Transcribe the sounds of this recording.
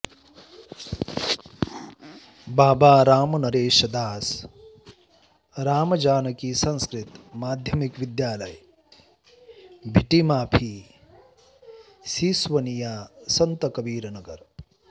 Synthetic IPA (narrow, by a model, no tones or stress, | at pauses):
baːbaːɾaːmɐnɐɾeːʃɐd̪aːs | ɾaːmɐd͡ʒaːnɐkiːsɐ̃nskɾit̪maːd̪ʱjɐmikʋid̪jaːlɐj | bʱiʈimaːpʰi | siːsʋɐnijaːsɐnt̪ɐkɐbiːɾɐnɐɡɐɾ